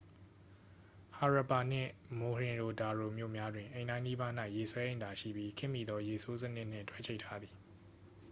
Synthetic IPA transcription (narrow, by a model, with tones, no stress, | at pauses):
ha˨ɹa˨pa˨n̥ɪ̰̃˦˨mo˨ɹɪ̃˨ɹo˨da˨ɹo˨mjo̰˦˨mja˦dwɪ̃˨ʔẽ˨ɪ̃ndã˦ɪ̃ni˦ba˦n̥a˦ɪʔje˨swɛ˦ʔẽ˦˨nd̪a˨ʃḭ˦˨bji˦kʰɪ̃˦˨mːḭ˨d̪ɔ˦je˨so˦zə˦nɪ˦ʔn̥ɪ̰̃˦˨ntʰwɛ˦˨t͡ɕʰe˦ɪtʰa˦d̪ði˨